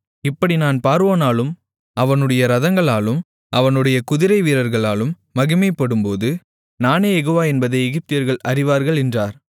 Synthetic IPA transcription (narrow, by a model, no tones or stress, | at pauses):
ɪpːɐɽinaːnpaːɾʋoːnaːlɯm | ɐʋɐnɯɽɐjɐɾɐðɐŋɡɐɭaːlɯm | ʔɐʋɐnɯɽɐjɐkʊðɪɾɐɪʋiːɾɐɾɣɐɭaːlɯmːɐɣɯmeːpːɐɽɯmpoːðɯ | naːnejɛɣoːʋaːɛnbɐðɐɪɛɣɪp̚t̪ɪjɐɾɣɐɭɐɾɪʋaːɾɣɐɭɛndraːɾ